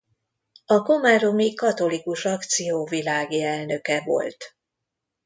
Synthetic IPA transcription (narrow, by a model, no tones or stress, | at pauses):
ɒko̞maːɾomikɒt̪o̞likuʃɒkt̪sijoːvilaːɡiɛlnø̞kɛvo̞̰lt̪